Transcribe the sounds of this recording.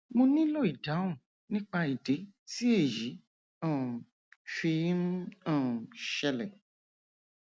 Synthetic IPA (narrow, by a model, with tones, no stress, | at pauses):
mõ˧nĩ˦lo˦i˨da˨˦ũ˦˨ | nĩ˦k͡pa˧i˨de˨˦ti˦e˦˨ji˨˦ | ã˦˨ | fi˧˦m˦ã˦˨ʃɛ˧lɛ˨